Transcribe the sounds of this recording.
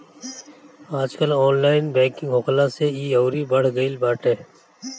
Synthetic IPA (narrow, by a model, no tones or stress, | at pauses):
aːd͡ʒkəlɔːnlaːɪnbɛ̃ːkɪ̃ŋɡɦʊkʰlaseiːoːɾibəɽ̤ɡəilbaːʈẽː